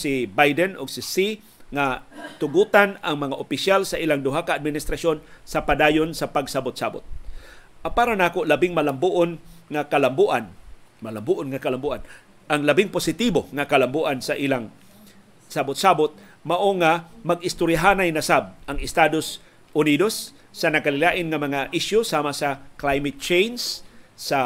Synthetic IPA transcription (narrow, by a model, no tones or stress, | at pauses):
sɪbajd̪ɛnʔoɡsɪsi | ŋat̪ʊɡuːt̪anaŋmɐŋaʔopɪʃjalsaʔiːlaŋd̪ʊɦakaːd̪̚mɪnɪst̪ɾasonsɐpad̪aːjonsɐpaɡsabʊt̪̚sa̰bʊt̪̚ | apaːɾanaːkoʔlɐbɪŋmɐlambuʔonŋakalambuʔanmalambuʔonŋakalambuʔan | ʔaŋlɐbɪŋpʊsɪt̪iboŋakalambuʔansaʔilaŋ | sabʊt̪̚sabʊt̪̚mɐʔoŋamɐɡɪst̪ʊɾjaɦaːnajnɐsab̚ʔɐŋɪst̪ad̪os | ʔʊniːd̪osː | ɐnɐkalɪlaːʔɪnŋɐmɐŋaʔɪʃjʊsaːmasaklajmɪt̪̚t͡ʃejnsːa